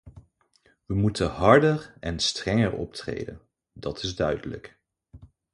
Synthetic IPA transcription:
ʋəmutəɦɑɹdərɛnstrɛŋəɹɔ̰p̚trḛjdə̰n | dɑtʰɪzdœɥdələ̰k

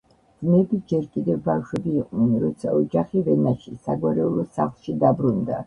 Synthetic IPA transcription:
d̪zmɛbid͡ʒɛɾkʼid̪ɛvbafʃwɛbiːqʼnɛnɾɔt̪sʰa̰ɔd͡ʒaχivɛnaʃisaɡwaɾɛulˠɔsa̰χlˠʃid̪abɾund̪a

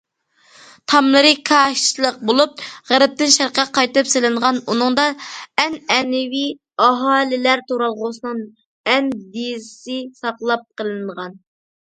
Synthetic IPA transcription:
t̪ʰɑmlˠɨɾɨkʰɑʃlˠəq̚bolˠup̚ʁæɾɪp̚t̪ɪnʃæɾqɛqʰɑjt̪ɨpselɨɴʁɑnunɨŋd̪ɑɛnɛnɪvi | ɑɦɑːlɪlæɾt̪ʰoɾɑlˠʁʊsɨnɨŋ | ɛnd̪izsɪsɑqlˠɑp̚qəlˠɨɴʁɑn

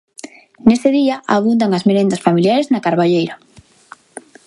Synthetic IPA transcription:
nest̪eðiaʔaβund̪aŋazmeɾend̪asfamiljaɾeznakaɾβaʎejɾa

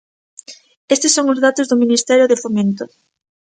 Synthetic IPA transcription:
est̪esːoŋʊzðat̪ʊzðʊminist̪ɛɾjʊðefomẽnt̪ʊ

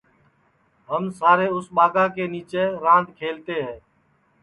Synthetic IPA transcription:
ɦəmsaːɾeːʊsɓaːɡãːkeːniːt͡ʃeːɾãːnd̪kʰeːlt̪eːɦɛ̃ː

